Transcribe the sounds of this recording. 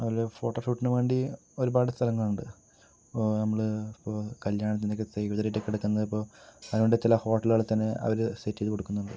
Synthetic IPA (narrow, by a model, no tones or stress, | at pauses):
ɐʋɐlefo̞ːʈːoːʂuːʈːinɨʋe̞ːɳɖio̞ɾubaːɽɨst̪ʰɐlɐŋːɐɭuɳɖɨ | nɐmːɐɭipːoːkɐljaːɳɐnːinekːɨsɐjkɐd͡ʑɐɾitːekːiɽɐkːunːɐðipːo̞ːɐðnuɳɖet͡ɕilɐho̞ːʈːɐlaːɭt̪ːɐnːeɐ̰ʋɐɾɨsetːijðɨkoɽukːunːuɳɖɨ